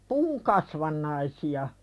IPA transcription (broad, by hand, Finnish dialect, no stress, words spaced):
puːŋ kɑsʋɑnːɑisiɑ